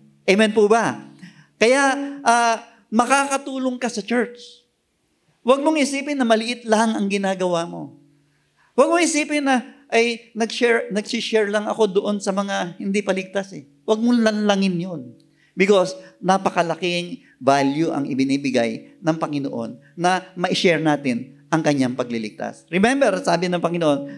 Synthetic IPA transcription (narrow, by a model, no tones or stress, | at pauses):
ʔɛmɛnpubɐ | kɐjaʔʔaː | mɐkaːkɐt̪uːloŋkɐsɐt͡ʃɛɹt͡ʃ | wɐɡ̚moŋhɪsiːpɪnːɐmɐlɪʔɪt̪lɐhŋɐŋɡɪnaːɡɐwamo̞ | wɐɡ̚mohɪsiːpɪnːɐʔɐjnɐɡʃɛɹnɐɡsiʃɛɹlɐŋɐ̰ko̞d̪oʔo̞nsɐmɐŋahɪnd̪ipɐlɪɡ̚t̪asɛ | wɐɡ̚molɐnlaŋɪnjo̞n | bɪko̞snɐpɐkɐlɐkɪŋ | valjʊʔɐ̰ŋɪbɪniːbɪɡajnɐŋpɐŋɪno̰ʔo̞̰nːɐmɐʔɪʃɛɹnaːt̪ɪnʔɐŋkɐɲːaŋpɐɡ̚lɪlɪɡ̚t̪a̰sɾɪmɛmbɛɾsaːbɪnɐŋpɐŋɪnoʔon